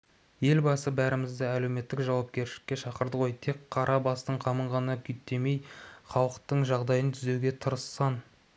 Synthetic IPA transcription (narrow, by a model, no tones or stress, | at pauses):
je̞lbɑsəbæɾɪmɪzd̪ɪæle̞wme̞t̪ːɪkʒɑwɑp̚kʲe̞ɾʃɪlɪ̥kʲːe̞ʃɑqəɾd̪əʁo̞jt̪ʰe̞kqʰːɑɾʔɑbɑst̪əɴqʰɑməɴʁɑnnɑkʲʰʏjt̪ːe̞me̞jχɑwəqt̪əɴʒɑʁd̪ɑjənt̪ʰʏzewɡʲe̞t̪ʰəɾəsːɑn